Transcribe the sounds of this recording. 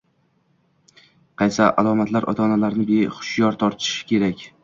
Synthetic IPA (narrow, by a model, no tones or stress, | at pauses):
qʰɑjsaʔalˠɒmat̪ʰlaɾʔɒ̰t̪ʰɒnalaɾnɪbeχʊ̥ʃjɒɾt̪ʰɒɾt̪ʰɪ̥ʃɪ̥kʲʰe̞ɾakʲ